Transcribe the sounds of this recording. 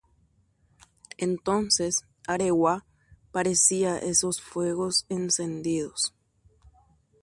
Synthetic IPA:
ent̪o̞nses | aɾewa | paɾesiaʔeso̞sfwe̞ɣosense̞nd̪iðos

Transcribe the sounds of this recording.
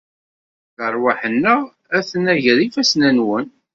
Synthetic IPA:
θəɾˤwaħənːə | æθənæʝɾifæsnænwən

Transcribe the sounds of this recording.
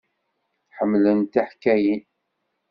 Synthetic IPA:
ħəmːlənt̪aħkːæjin

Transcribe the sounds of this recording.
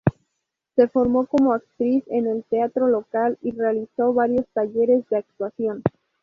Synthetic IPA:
se̞fo̞ɾmo̞ko̞mo̞ak̚t̪ɾise̞ne̞lt̪eat̪ɾo̞lo̞kalirealiso̞βaɾjo̞st̪aʝe̞ɾe̞zðe̞ak̚t̪wasjo̞n

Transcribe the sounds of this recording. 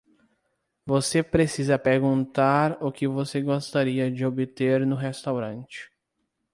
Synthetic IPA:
vosepɾesizɐpeɾɡũnt̪aɾʊkɪvoseɡost̪aɾiɐd͡ʒɪobɪt̪eɾnʊɦest̪awɾɐ̃nt͡ʃɪ̥

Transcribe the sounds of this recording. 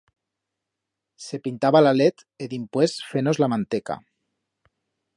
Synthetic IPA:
sepint̪aβalalet̪ | eðimpwesfenozlamant̪eka̰

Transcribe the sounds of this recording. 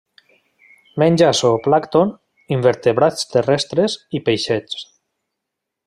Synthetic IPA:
menʲd͡ʒasoplakt̪on | imbeɾt̪eβɾast̪erɛst̪ɾezipejʃet͡ʃ

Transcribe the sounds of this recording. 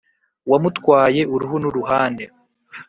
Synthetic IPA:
wamutkwaːje̞ʔuɾuɦunuɾuɦaːnde

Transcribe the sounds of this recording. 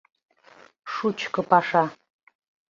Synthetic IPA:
ʂut͡ʃʰkʰɨpʰaʂa

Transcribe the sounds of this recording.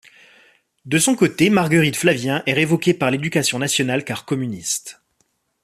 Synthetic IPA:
d̪əsɔ̃kot̪emaʁɡəʁit̪flavjɛ̃ʔɛʁevɔkʲepaʁled̪ykasjɔ̃nasjɔnalkaʁkɔmynist̪

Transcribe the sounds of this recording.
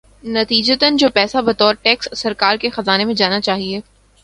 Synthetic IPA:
nɐt̪iːd͡ʒət̪ənd͡ʒoːpɛːsabɐt̪ɔːɾʈɛːkssɐɾkaːɾkexɐzaːnemẽd͡ʒaːnat͡ʃaːɦieː

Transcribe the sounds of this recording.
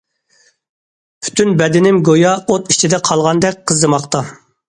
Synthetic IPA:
pʰy̥t̪ʰynbɛd̪ɪnɪmɡojɑot̪it͡ʃʰid̪ɛqʰɑlˠʁɑnd̪ɛk̚ʲqʰəzːɨmɑqt̪ɑ

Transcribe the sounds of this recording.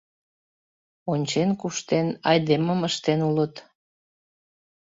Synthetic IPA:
onʲt͡ɕenkuʃt̪enɑjd̪eməməʃt̪enulət̪

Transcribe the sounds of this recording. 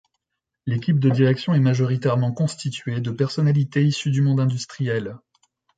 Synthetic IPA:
lekʲip̚d̪əd̪iʁɛksjɔ̃ɛmaʒɔʁit̪ɛʁmɑ̃kɔ̃st̪it̪ɥed̪əpɛʁsɔnalit̪eisyd̪ymɔ̃d̪ɛ̃d̪yst̪χijɛl

